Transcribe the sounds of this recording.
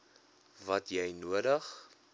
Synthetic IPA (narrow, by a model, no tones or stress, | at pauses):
vɐtjɛjnuədəχ